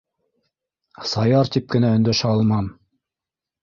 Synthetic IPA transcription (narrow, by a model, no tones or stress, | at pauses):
sɑjɑɾt̪ip̚kɘ̆næɵ̆nd̪æʃæɑlˠmɑm